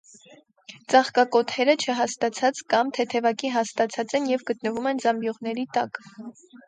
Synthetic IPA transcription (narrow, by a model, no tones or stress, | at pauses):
t͡sɑχkɑkɔt̪ʰɛɾət͡ʃʰəɦɑst̪ɑt͡sʰɑt͡skɑmt̪ʰɛt̪ʰɛvɑkiɦɑst̪ɑt͡sʰɑt͡sɛnjɛvɡət̪nəvumɛnzɑmbjɔʁnɛɾit̪ɑk